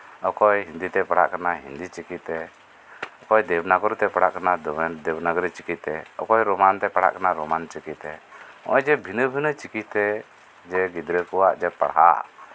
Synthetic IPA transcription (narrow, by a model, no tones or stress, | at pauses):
ɔkɔjɦind̪it̪ɛpaɽa̰ʔkanaɦḭnd̪it͡ʃikit̪ɛ | ɔkɔjd̪ɛbnaɡɔɾt̪ɛpaɽaʔkanad̪d̪ɛbnaɡɾɛt͡ʃi̥kit̪ɛɔ̰kɔjɾɔmant̪ɛpaɽa̰ʔkanaɾɔmant͡ʃikit̪ɛɔ̰̃jd͡ʒɛbʱinəbʱinət͡ʃikit̪ɛ | d͡ʒɛɡid̪ɾəkɔwaʔd͡ʒɛpa̰ɽɦa̰ʔ